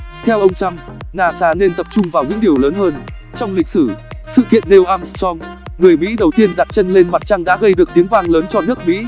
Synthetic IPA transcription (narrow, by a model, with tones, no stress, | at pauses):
t̪ʰɛ˧wʔə˧wŋ͡mt͡ɕa˧m | naː˧˩saː˧ne˧nt̪ə˨˩p̚t͡ɕʊ˧ŋ͡mvaː˨˩wɲɨ̰˧˥ŋɗi˨˩əwləː˨˦nhəː˧n | t͡ɕɔ˧wŋ͡mlï˨˩k̟̚sɨ˧˩sɨ̰˧˨kḭ˧˨ənɗe˧wʔaː˧mssɔ˧ŋ | ŋɨ˨˩əjmḭ˧˥ɗə˨˩wt̪i˧ənɗa˨˩t̚t͡ɕə˧nle˧nma˨˩t̚t͡ɕa˧ŋɗa̰ː˧˥ɣə˧jɗɨ˨˩ək̚t̪i˨˦əŋvaː˧ŋləː˨˦nt͡ɕɔ˧nɨ˦˥ək̚mḭ˧˥